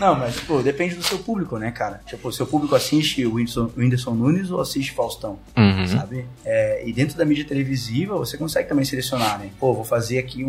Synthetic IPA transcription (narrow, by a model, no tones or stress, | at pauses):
nɐ̃w̃mɐst͡ʃi̥pʊd̪epẽnd͡ʒɪd̪ʊsewpublikʊnɛkaɾɐt͡ʃipʊsewpublikʊasiʃt͡ʃɪʊĩsõĩnd̪eɾsõw̃nũnɪzoasist͡ʃɪ̥fawst̪ɐ̃w̃sa̰bɪɛɪd̪ẽt̪ɾʊd̪ɐmid͡ʒiɐt̪elevizivɐvosekõsɛɡɪt̪ɐ̃mbẽj̃selesionaɾnɛ̃povowfazeɾakiũ